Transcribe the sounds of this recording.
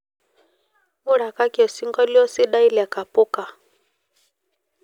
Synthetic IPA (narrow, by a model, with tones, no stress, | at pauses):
mu˦ɾa˨ka˦ki˦ɔ˨si˦ŋɡɔ˦li˦ɔ˦si˦ɗa˦i˦li˨a˨ka˨pu˦ka˨